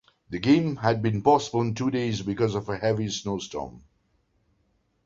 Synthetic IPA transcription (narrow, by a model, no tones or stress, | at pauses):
ðɨɡẽɪ̃mɨd̚bɨ̃npɑsəbəl̩ˠɨ̃ntʰudeɪzbɨkʌzʌvəhɛvisnoʊstɔ̰̃m